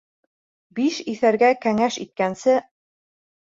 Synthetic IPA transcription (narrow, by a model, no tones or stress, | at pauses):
biʃiθæɾɡækæŋæʃit̪̚kænsɘ